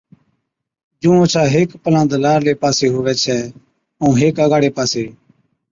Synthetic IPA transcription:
d͡ʒũːõːt͡ʃʰaːɦeːkpəlãːd̪laːɾleːpaːseːɦʊʋɛːt͡ʃʰɛː | əũːɦeːkəɡaːɽeːpaːseː

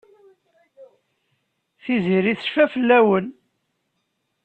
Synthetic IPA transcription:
θiziɾiθʃfæfəlːæwən

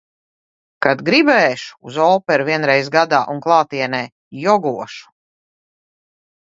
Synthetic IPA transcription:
kad̪ɡɾibɛːʃu̥ːzɔːpɛɾuviɛnɾɛjzɡad̪aːʔunklˠaːt̪iɛnɛː | jɔɡuɔʃu̥

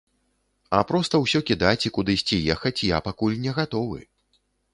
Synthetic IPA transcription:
ɐ̰pɾɔst̪ɐwsʲɔkʲid̪at͡sʲikud̪ɨjsʲt͡sʲijɛxɐt͡sʲja̰pakulʲnʲɛɣat̪ɔvɨ̰

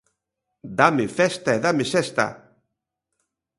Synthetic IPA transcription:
d̪amefɛst̪aeðamesɛst̪a̰

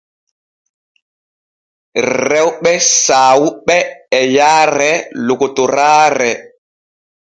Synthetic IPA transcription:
ɾɛwɓɛsaːwuɓɛːjaːɾɛlokotoɾaːɾɛ

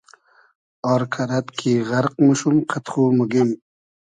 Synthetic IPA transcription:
ɑɾkʰaɾat̪kʰiʁaɾq̚muʃumqʰət̪χumuɡim

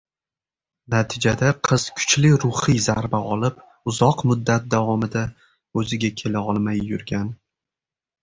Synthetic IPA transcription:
nat̪ʰɪd͡ʒad̪aqʰɨz̥kʰʊ̥t͡ʃlɪɾʊhɨzaɾbaɒlɪp | ʊzɒqmʊd̪ːat̪̚d̪avɒmɪd̪a | ɵzɪɡʲakʲʰe̞laɒlˠmajːʊɾɡʲan

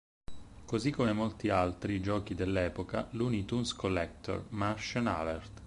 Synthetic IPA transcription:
kozikːomemolt̪ialt̪ɾid͡ʒɔːkid̪elːɛːpoka̰lunit̪unskolːɛk̚t̪ɔ̰rmarʃɔna̰lɛrt̪

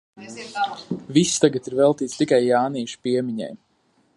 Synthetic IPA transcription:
visːt̪aɡat̪iɾvɛlˠt̪iːt̪st̪ikajːaːniɛʃu̥piɛmiɲa̰j

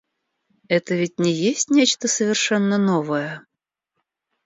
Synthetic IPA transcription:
ɛt̪əvʲɪtʲnʲɪjesʲtʲnʲet͡ɕt̪əsəvʲɪrʂɛnːənovəjə

